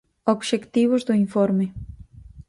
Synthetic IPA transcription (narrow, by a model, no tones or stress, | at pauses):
obʃekt̪iβozd̪oiɱfoɾme